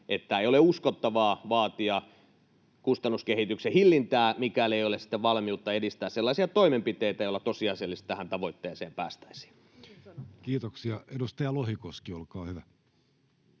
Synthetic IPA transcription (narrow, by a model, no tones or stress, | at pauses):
ʔet̪ːæeioleuskot̪ːɑʋɑːʋɑːt̪iɑ | kust̪ɑnːuskehit̪yksehilːint̪æːmikæleijolesi̥t̪ːeʋʋɑlmiut̪ːɑedist̪æːsselːɑˑisiɑt̪oimempit̪eit̪æjolːɑt̪osiɑiselːist̪ʋæhænt̪ɑʋoit̪ːeːsḛːmpæ̰ːst̪æ̥isi̥ː | kiːt̪oksiɑedust̪ɑjɑlohikoskiolkɑːhyʋæ